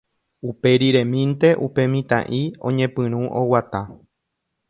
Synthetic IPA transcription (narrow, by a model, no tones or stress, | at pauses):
upe̞ɾiɾẽ̞mĩnt̪e̞ʔupe̞mĩt̪ã̰ʔiõ̞̰ɲẽpɨ̃ɾ̃ũʔowat̪a